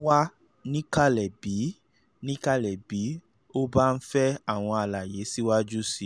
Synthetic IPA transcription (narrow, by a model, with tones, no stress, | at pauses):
wa˦ | nĩ˦ka˦˨lɛ˨bi˨˦ | nĩ˦ka˦lɛ˨bi˨˦ | o˦ba˦˧n̩˦fɛ˦a˦˨w̃ɔ̃˧a˧la˨je˨˦si˦wa˦d͡ʒu˦si˧˨